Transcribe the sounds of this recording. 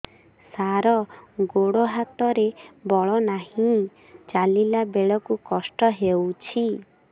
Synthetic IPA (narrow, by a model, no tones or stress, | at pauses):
saɾɔɡoɽoɦat̪ɔɾebɔɭɔnahĩ | t͡ʃalilabeɭɔkukɔsʈɔɦewt͡ʃʰi